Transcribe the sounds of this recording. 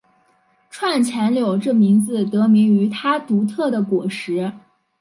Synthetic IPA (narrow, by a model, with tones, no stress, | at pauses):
ʈ͡ʂʰwa˥˩nt͡ɕʰjɛ˧˥nljo˨˩ʊʈ͡ʂɤ˥˩mi˧˥ŋd͡zɹ̩˧t̪ɤ˧˥mi˧˥ŋy˧˥t̪ʰa˥t̪u˧˥t̪ʰɤ˥˩d̪ə˩kwɔ˨˩ʂɻ̩˧˥